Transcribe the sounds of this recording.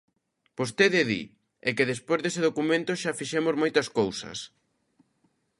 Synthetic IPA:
post̪eðeðḭ | ɛkeðespojzðesɪð̞okumẽnt̪ʊʃafiʃemozmojt̪ɐskowsɐ̰s

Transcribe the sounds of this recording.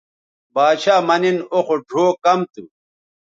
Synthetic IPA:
baːɕaːmɐninoxoɖʱoːkɐmt̪ṵ

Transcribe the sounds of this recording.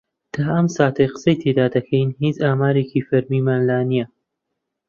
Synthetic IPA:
d̪̥ʰaːɐmsaːt̪ʰɐjqə̥sɐjt̪ʰeːd̪aːd̪ɐkʰɐjnɦiːt͡ʃaːmaːɾeːkiːfɐɾmiːmaːnlaːnijɐ

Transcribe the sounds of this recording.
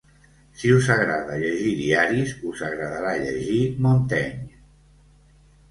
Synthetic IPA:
siuzaɣɾaðəʎəʒiðiaɾizuzaɣɾəðaɾaʎəʒimont̪ɛɲ

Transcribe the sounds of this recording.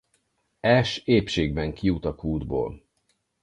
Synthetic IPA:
ɛʃeːpʃeːɡbɛŋkijut̪ɒkuːd̪bo̰ːl

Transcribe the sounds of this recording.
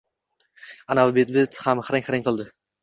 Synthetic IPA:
anavbet̪̚bet̪hamχɾɪŋχɾɪŋʲqʰɨlˠd̪ɪ

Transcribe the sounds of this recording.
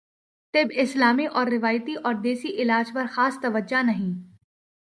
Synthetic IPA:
t̪ɪbɪslaːmiʔɔːɾːɪʋaːjt̪iʔɔːɾd̪eːsiʔɪlaːd͡ʒpɐɾxaːst̪ɐʋəd͡ʒanɐɦĩː

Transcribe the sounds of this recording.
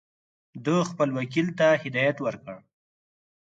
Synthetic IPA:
d̪əxpəlwakilt̪ahɪd̪ɑjat̪wəɾkəɽ

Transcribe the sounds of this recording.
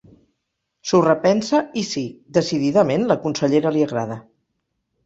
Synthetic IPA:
surəpɛnsəisid̪əsiðiðəmenləkunsəʎeɾəliəɣɾað̞ə

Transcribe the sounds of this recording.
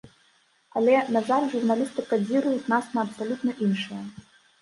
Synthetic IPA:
alʲɛnazarʐurnalʲist̪ɨkad͡zʲiɾujutʲnasnɐːpsalʲut̪nɐʔinʂɨjɐ

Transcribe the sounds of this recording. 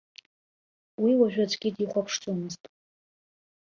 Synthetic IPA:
wiwaʒᶣad͡zɡʲidiχʷapʰʂt͡sʼomɨztʼ

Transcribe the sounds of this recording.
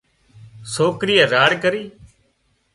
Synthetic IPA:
soːkɾiːaːɾaːɽkəɾiː

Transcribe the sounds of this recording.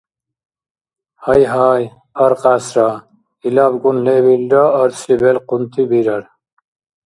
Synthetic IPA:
hɐjɦaːj | ɐɾqaːsɾɑ | ilabɡunlebilɾaːɾslibelqunt̪ʰibiɾɐɾ

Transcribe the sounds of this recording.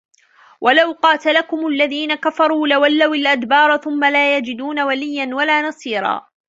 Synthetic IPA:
wʔalawqɑːt̪alakʊmʊlːaðiːnakafɑɾˤuːlawalːawalʔad̪bɑːɾˤθʊmːalaːjad͡ʒɪd̪uːnawalɪjːanwalaːnɑsˤiːɾˤɑ̰ː

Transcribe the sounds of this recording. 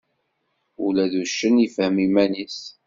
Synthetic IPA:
ulæðuʃːəniəfhəmimænis

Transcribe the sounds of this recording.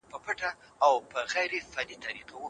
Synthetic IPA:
pəpaʈaː | wpəɣajɾefadit̪aɾiqawu

